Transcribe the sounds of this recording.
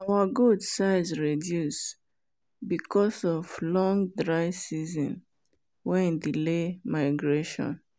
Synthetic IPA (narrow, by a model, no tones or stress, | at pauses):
awaɡudsaɪzɹɛdjus | bikʰɔsɔvlɔ̃ŋdɹaɪsizɔ̰̃n | wɛ̃ndilemaɪɡɹeʃɔ̰̃n